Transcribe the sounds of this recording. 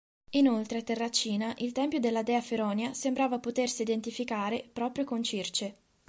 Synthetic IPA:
inolt̪ɾeat̪erːat͡ʃːiːnaʔilt̪ɛmpjod̪elːad̪ɛːafeɾɔːnjasembɾaːvapot̪ersiːd̪ent̪ifikaːɾepɾɔːpɾjokont͡ʃirt͡ʃe

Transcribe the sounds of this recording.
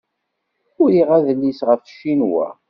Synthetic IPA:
ʊɾiʁæðəlːisʁəfʃːinwæ̰

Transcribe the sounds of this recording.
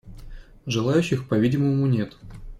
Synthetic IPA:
ʐɨlˠajʉɕːɪxpɐvʲidʲɪməmunʲet̪

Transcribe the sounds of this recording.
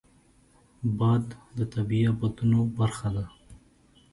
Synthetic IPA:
bɑd̪ːət̪abiabɑd̪unobaɾxad̪a

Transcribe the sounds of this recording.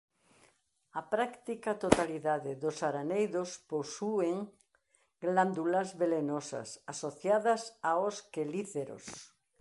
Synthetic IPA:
apɾakt̪ikat̪ot̪aliðaðɪðosaɾanejðosposueŋ | ɡland̪ulɐzβelenosɐ̰sasoθjaðɐsaoskeliθeɾo̰s

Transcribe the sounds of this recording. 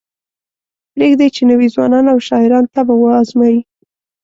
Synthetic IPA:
pɾeɡd̪et͡ʃenəwizwɑnɑnawʃɑɪɾɑnt̪abawəɑzmɑji

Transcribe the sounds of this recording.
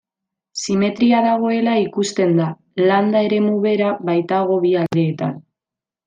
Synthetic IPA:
sime̞t̪ɾiaðaɣ̞o̞e̞laikust̪e̞nd̪a | land̪ae̞ɾe̞muβe̞ɾaβajt̪aɣ̞o̞βiald̪e̞ːt̪a̰n

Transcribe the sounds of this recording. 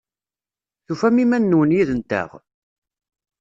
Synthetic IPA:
θufæmimænːwənjiðənt̪ə̰ʁ

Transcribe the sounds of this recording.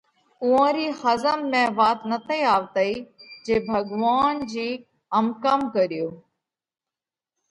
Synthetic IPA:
ʊãːɾiːhəzəmːẽːʋaːt̪nət̪ʰəiaːʋt̪əiːd͡ʑeːbʱəɡʋaːnd͡ʑiː | əmkəmkəɾijoː

